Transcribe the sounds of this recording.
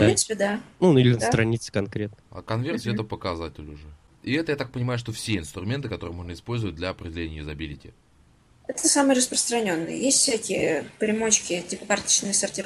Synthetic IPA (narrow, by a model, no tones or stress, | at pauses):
pɾinɨ̥pʲɪd̪anunuilʲɪnəst̪ɾɐnʲit̪sə̥kɐnkɾʲet̪̚nəa̰kɐnvʲert̪sʲɪɛt̪əpəkɐzatʲɪlʲʊʐɛ | iɛt̪əjat̪ak̚pənʲɪmajʊʂt̪ofsʲeɪnst̪ɾʊmʲe̞nt̪ɨkɐt̪o̞ɾɨjmo̞ʐnəɪspo̞lʲzəvət̚ʲd̪lʲɐɐpɾʲɪdʲɪlʲenʲɪjəɪzɐbʲilʲɪtʲɪ̰ | ɛt̪əsamɨjəɾəspɾəst̪ɾɐnʲo̞nːɨ̰jə̰jesʲtʲfsʲækʲɪjəpɾʲɪmot͡ɕkʲɪtʲipəkart̪ə̥t͡ɕnɨjsərtʲɪ